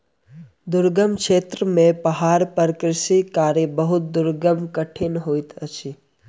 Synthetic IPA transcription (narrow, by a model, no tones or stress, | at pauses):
d̪ʊɾɡəmkʃeːt̪ɾəmẽpəɦaːɾpəɾkɾɪʃikaːɾjebəɦʊt̪̚d̪ʊɾɡəmkəʈʰenɦoːit̪ət͡ʃʰi